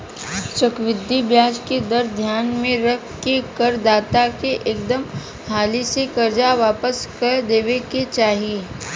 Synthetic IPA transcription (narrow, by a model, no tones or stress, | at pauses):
t͡ʃɐkʋɪd̪ʱːibjaːd͡ʒked̪ɐɾd̪ʱjaːnmẽɾɐkʰkekɐɾd̪aːt̪akeʔeːk̚d̪əm | haːlisekɐɾd͡ʒaʋaːpəskɐɾd̪eːʋeket͡ʃaːɦie